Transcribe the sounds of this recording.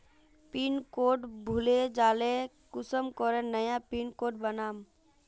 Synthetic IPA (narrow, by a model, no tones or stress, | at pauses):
piːnkoːʈbʱʊled͡ʒaːle | kʊsəmkɔɾẽnəjapiːnkoːʈ̚bənaːm